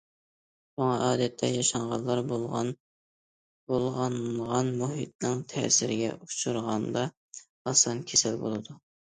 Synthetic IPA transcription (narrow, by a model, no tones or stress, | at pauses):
ʃuŋɑʔɑːd̪ɛt̪ʰːɛjɑʃɑɴʁɑlˠːɑɾbo | bolˠʁɑnʁɑnmuɦḭt̪̚nɪŋt̪ʰɛ̰ːsɪɾɪɡʲɛ̰ʔut͡ʃʰuɾʁɑnd̪ɑ | ɑsɑnkʲʰesɪlbolˠɨd̪u